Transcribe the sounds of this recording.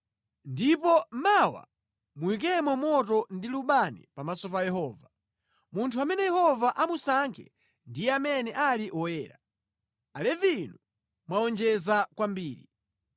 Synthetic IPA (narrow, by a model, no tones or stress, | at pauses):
ndipɔmawa̰ | muwik̬ɛmɔmɔtɔndiluɓanḭpamasɔpajɛhɔːva | muntʰuamɛnɛjɛhɔvaʔamusaŋkʰɛ̰ | ndijɛamɛnɛʔaliʔɔjɛːɾa | alɛvinu | mwaɔnd͡ʒɛzakwambiːɾi